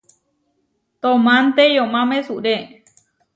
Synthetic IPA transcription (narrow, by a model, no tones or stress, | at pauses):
t̪õmãnt̪ejõmãmẽsuɾe